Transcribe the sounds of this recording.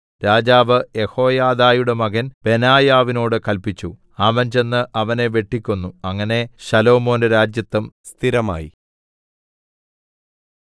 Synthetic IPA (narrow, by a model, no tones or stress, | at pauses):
ɾaːd͡ʑaːʋɨe̞ho̞ːjaːðaːjuɽe̞mɐɣɐnb̥e̞naːjaːʋino̞ːɽɨkɐlpit͡ɕːu | aːmɐɲd͡ʑe̞nːɨʔɐʋɐne̞ʋe̞ʈːikʲːunːuɐŋːɐne̞ɕɐlo̞ːmo̞ːnɨɾaːd͡ʑjɐt̪ːɐmst̪ʰiɾɐma̰ːjḭ